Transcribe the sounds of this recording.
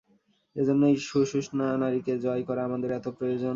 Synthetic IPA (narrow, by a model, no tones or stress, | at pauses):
ed͡ʑonːojʃuʃuʃnaanaɾiked͡ʑɔekɔɾaamad̪eɾɛt̪opɾojod͡ʑon